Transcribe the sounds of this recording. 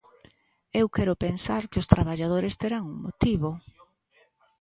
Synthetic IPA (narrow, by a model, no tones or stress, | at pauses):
ewkɛɾʊpensaɾkɪʊst̪ɾaβaʎað̞oɾest̪eɾaŋuŋmot̪iβo